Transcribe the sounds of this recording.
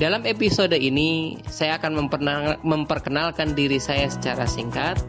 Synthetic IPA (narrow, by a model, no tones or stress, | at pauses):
dalamepisodoinisajaːkanməməmpərkənalkandiɾisajasə̥t͡ʃaɾa̰siŋkat̪̚